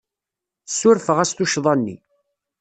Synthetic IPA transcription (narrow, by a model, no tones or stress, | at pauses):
sːʊɾfəʁæst̪uʃðˤɑnːḭ